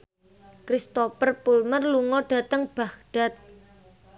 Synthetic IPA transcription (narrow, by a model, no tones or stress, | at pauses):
kɾist̪opərpulmərluŋɔɖ̥ä̤t̪əŋb̥a̤hɖ̥a̤t̪̚